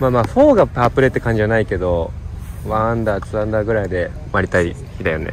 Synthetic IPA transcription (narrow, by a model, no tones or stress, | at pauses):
maːmaːɸoːɡapaːpɯ̟ɾet̪ːe̞kãɲ̟d͡ʑianaike̞d̪o̞βand̪aːt͡sɨãnd̪aɡɯ̟ɾaid̪e̞maɾʲit̪ai | çid̪ajo̞nḛ